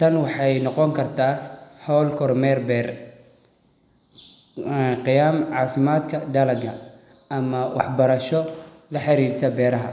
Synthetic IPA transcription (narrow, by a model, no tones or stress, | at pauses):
t̪ʰɐnwɑħɑjnɔqɔŋkʰɐrt̪ʰaːħɔːlkʰɔrmɛːrbɛːr | qɪjaːmʕɑːfɪmaːd̪kʰɐɖɐlɐɡɐɐmɐwɑ̰ħbɐɾɐʃɔlɐħɑɾiːrt̪ʰɐbɛːɾɐɦɐ